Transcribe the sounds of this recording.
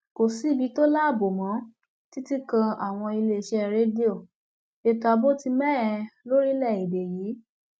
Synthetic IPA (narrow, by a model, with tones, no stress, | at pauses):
ko˨si˦bi˨˧˦to˦la˦˨bo˨mã˨˦ | ti˦ti˦kã˧a˨w̃ɔ̃˧i˧le˧˨ʃɛ˧ɾe˦di˦o˦˨ | e˧ta˧bo˦ti˧mɛ̃˦˨ɛ˧lo˦ɾi˦lɛ˦˨i˨be˨jiː˨˦